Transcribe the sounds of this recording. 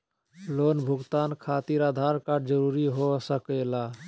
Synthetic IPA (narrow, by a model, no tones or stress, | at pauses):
lonbʱuɡt̪ankʰat̪iɾad̪ʱaɾkaɖd͡ʒəɾuɾiɦosəkɛla